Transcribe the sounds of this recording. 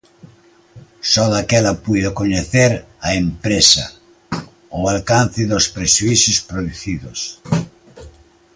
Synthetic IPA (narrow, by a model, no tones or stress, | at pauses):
sɔðakɛlapuðokoɲeθeɾ | aempɾesɐ | oalkan̟θɪðospɾeʃuiθjospɾoðuθiðos